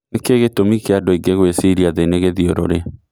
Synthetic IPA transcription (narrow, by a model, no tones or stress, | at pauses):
ekeɣetomikeadoiŋɡeɣwesiɾiaðeneɣeðioɾo̰ɾe